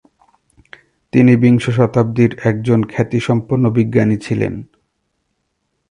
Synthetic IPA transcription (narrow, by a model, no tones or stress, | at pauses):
t̪inibiŋʃoʃ̬ɔt̪ab̚d̪iɾɛk̚d͡ʑonkʰɛt̪iʃɔmpuɾnobiɡːanit͡ɕʰilḛn